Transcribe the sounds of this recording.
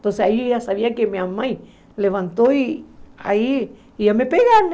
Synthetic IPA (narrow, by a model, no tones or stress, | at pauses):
t̪onseaijasaβiakemeamãj | leβant̪oia̰i | ijamepeɣan